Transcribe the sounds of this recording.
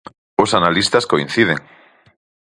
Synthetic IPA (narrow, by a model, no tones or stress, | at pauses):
osanalist̪askoĩn̟θiðeŋ